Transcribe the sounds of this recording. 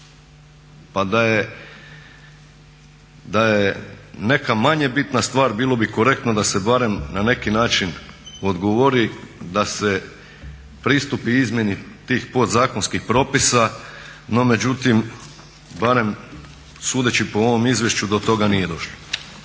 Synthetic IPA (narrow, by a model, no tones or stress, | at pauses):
pad̪aje | d̪ajene̞kamaɲe̞bit̪nast̪ʋaːɾbiːlˠo̞biko̞ɾe̞k̚t̪nod̪ase̞baɾe̞mnane̞kinaːt͡ʃino̞d̪ɡoʋo̞ɾid̪ase | pɾist̪upiizmʲje̞nit̪iːxpo̞t̪zaːkonskixpɾo̞ːpisano̞me̞d͡ʑut̪im | baɾe̞m | suːd̪et͡ɕipo̞oʋo̞mizʋje̞ʃt͡ɕud̪o̞t̪o̞ɡanije̞d̪o̞ʃlˠo